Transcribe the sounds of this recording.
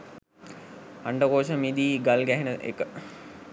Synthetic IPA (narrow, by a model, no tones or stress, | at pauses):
aɳɖəkoːʃəmiːd̪iːɡalɡæɦenəʔḛkə